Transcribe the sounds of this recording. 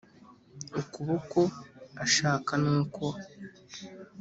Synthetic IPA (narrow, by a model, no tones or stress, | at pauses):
ekuβokoaʃaːkanuːkʰo